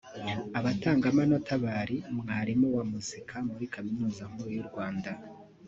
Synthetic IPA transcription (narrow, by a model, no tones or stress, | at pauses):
aβataːŋɡamanotaβaɾimŋaːɾimuwamuzikʰamuɾikaminuːzam̥uɾjuɾɡwaːnda